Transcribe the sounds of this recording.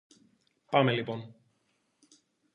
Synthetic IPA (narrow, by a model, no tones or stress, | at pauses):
pɐmelipo̞n